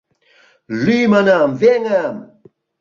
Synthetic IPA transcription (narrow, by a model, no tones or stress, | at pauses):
limanamveŋam